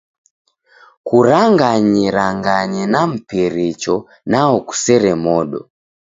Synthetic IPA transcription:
kuɾaŋɡaɲiɾaŋɡaɲinam̩piɾit͡ʃɔ | naɔku̥sɛɾɛmɔɗɔ̰

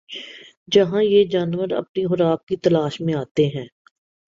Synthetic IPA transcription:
d͡ʒɐɦãjed͡ʒaːnʋəɾɐ̰pniɦʊɾaːk̚kit̪ɐlaːʃmẽaːt̪eɦɛ̃ː

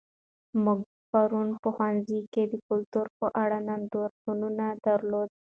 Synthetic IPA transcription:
muɡ̚ | paɾunpəxwanziked̪əkʊlt̪uɾpəʔaɽananɖoɾtununad̪aɾlod̪̚

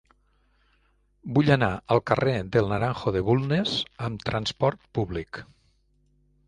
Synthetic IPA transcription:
buʎanaəlˠkəred̪əlˠnəɾaŋxoðeβulˠnezəmt̪ɾənspɔɾt̪̚puβlik

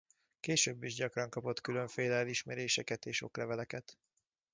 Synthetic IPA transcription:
keːʃøːbːiʒɟɒkrɒŋkɒpo̞t̪kylø̞ɱfeːlɛɛliʃmɛɾeːʃɛkɛt̪eːʃo̞̰klɛvɛlɛkɛt̪

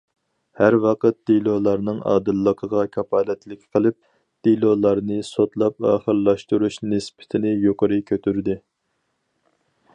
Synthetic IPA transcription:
hæɾwɑqət̪̚d̪̥ilˠolˠɑɾnɨŋɑ̰ːd̪ɨlːəqʰəʁɑkʲʰɑpʰɑːlɛt̪lɪkʲqʰəlˠɨp̚ | d̪̥ilolˠɑɾnɨsot̪lˠɑpɑːχəɾlˠɑʃt̪uɾuʃnɪspʰɪ̥t̪ʰɪnɪjoqəɾɨkʲʰøt̪ʰyɾd̪ɪ

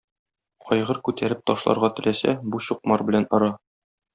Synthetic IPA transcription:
qɒjʁɤɾkʉt̪æɾɘp̚t̪ɒʃlˠɑ̰ɾʁɑt̪ɘ̆læsæbuɕuq̚mɑɾbɘ̆lænɒ̆ɾɑ

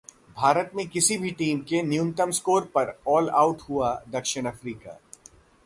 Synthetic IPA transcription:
bʱaːɾət̪mẽkɪsibʱiʈiːmkenjʊ̃nt̪əmskoːɾpɐɾɔːla̰ːʊʈhuad̪ɐkʃɪñɐfɾiːka̰ː

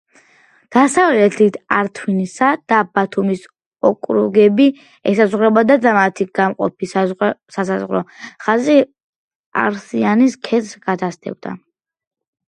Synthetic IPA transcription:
d̪̥asavlɛt̪ʰit̪ʰaɾt̪ʰwinisad̪̥abat̪ʰumis | ɔkʼɾṵɡɛbi | ɛsazʁɾɛbad̪ad̪amat̪ʰiɡ̥amqʼɔ̰pʰissasazʁɾɔχazi | a̰ɾsianiskʰɛt̪sɡ̥at̪ʰast̪ʰɛ̰b̚d̪a̰

